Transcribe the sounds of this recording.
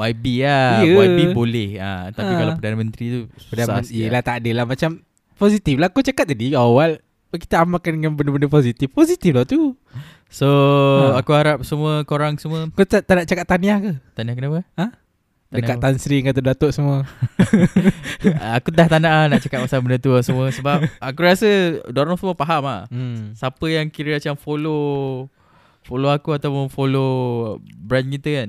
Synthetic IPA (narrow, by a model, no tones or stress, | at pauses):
waibiajəaibolɛha̰t̪apːikalapədanəmə̃nt̪ɾit̪upədanəaəlaht̪aʔːdəlamat͡ʃam | posit̪iflahakot͡ʃakat̪̚t̪ːadiawal | ki̥t̪aamakandəŋãnbəndəbəndəposit̪ifposit̪iflat̪u | soakuhaɾap̚səmuəkoɾaŋsəmuəakot̪at̪anaʔt͡ʃakat̪ːaniahkət̪aniahkənapəa | t̪adəakat̪ːansɾiŋkat̪ədat̪oʔsəmuə | akuaht̪anaʔahnaʔt͡ʃakat̪̚masalbənət̪uasəmũəsəbapakuɾasədoɾɔsəmuəpaɦama̰hsapəjaŋkiɾəat͡ʃamfolo | foloakuat̪awpʊnfolo | bɾankit̪ukan